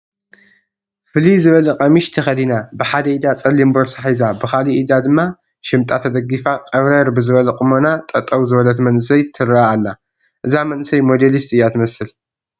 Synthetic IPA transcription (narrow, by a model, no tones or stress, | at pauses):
fɨlizɨβɐlɐqʼɐmiʃt̪ʰɐxɐd̪inabɨħad̪ɐʔid̪at͡sʼɐlːimboɾsaħizabɨxaliʔid̪ad̪ɨmːa | ʃɪmt̪ʼat̪ʰɐd̪ɐɡːifakʼɐβɾɐɾbɨzɨβɐlɐqʼɨmonat̪ʼɐt̪ʼɐwzɨβɐlɐt̪mɐnɨsɐjt̪ʰɨɾaaalːa | ʔɨzamɐnɨsɐjmo̞d̪elist̪ʼɨjːat̪ʰɨmɐsɨl